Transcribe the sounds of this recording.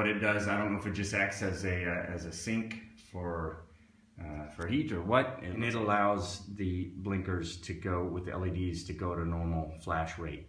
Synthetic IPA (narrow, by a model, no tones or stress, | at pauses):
wʌɾɨt̚d̥ʌzaɪɾõʊ̃nːoʊəfɨt̚d̥ʒ̥ʌstæk̚tsɨszɨɨzɨsɪ̃ŋkfə˞ | fə˞hiɾə˞wʌt̚ɨ̃nɨɾəlaʊzðɨblɪ̃ŋkə˞z̥tʰɨɡoʊwɪðɛ̰lˠidiz̥tʰɨɡoʊɾɨnɔɹml̩ˠflæʃɹeɪt̚